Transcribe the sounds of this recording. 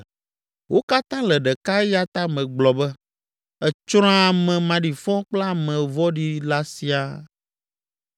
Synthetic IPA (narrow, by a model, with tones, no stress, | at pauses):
wo˦ka˦t̪ã˦lɛ˨ɖɛ˨ka˦ja˦t̪a˦mɛ̃˨ɡ͡blɔ˨bɛ˦ | ɛ˨t͡ʃɾ̃ɔ̃˦a˨mɛ̃˨mã˨ɖi˨fɔ̃˦k͡pla˦mɛ̃˨vɔ˦ɖi˦la˦si˨a˨